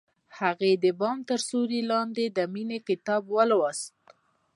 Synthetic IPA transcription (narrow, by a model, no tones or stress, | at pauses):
haɣed̪əbɑmt̪əɾsoɾilɑnd̪ed̪əminekɪt̪ɑbwəlwɑst̪̚